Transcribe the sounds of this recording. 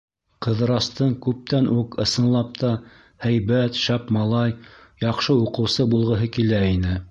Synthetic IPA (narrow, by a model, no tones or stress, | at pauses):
qɤ̆ðɾɑst̪ɤɴkʉp̚t̪ænʔukɤ̆sɤ̆nlˠɑp̚t̪ɑ | hæjβæt̪ʃæpmɑlˠɑjjɑqʃɤuqɤ̆wsɤbulˠʁɤ̆ɦɤkilæinɘ